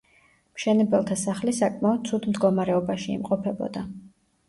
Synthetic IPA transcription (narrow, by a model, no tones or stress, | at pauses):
mʃɛnɛbɛlˠt̪ʰasaχlisakʼmaɔd̪̥̚t̪sʰud̪md̪ɡɔmaɾɛɔbaʃiḭmqʼɔpʰɛbɔ̰d̪a